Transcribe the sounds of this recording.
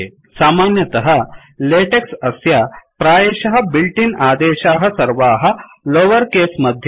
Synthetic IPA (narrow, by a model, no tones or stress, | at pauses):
saːmaːnjɐt̪ɐɦɐ̆ | leːʈeksɐsjɐpɾaːjeːʃɐɦɐ̆bilʈinaːd̪eːʃaːɦɐ̆sɐɾʋaːɦɐ̆ | loːʋɐɾkeːsmɐd̪ʱj